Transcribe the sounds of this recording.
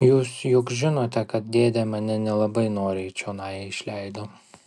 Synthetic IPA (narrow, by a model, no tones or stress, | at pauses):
juːsjʊkʒʲɪnoːt̪ʲɛkɐt̪̚d̪ʲeːd̪ʲɛmɐnʲɛnʲɛlˠɐbɐɪnoːɾʲɛɪt͡ʃʲoːnɑːjɛɪʃʲlʲɛɪd̪oː